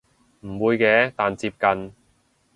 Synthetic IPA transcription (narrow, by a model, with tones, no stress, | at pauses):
m̩˨˩wuː˨˧jkɛː˧˥t̪aː˨nt͡siː˧p̚kɐ˨n